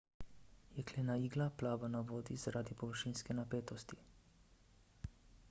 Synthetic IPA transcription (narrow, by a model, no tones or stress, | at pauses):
jɛkleːnaiːɡlaplaːʋanaʋoːd̪izaɾaːd̪ipɔʋəɾʃiːnskɛnapeːt̪ɔst̪i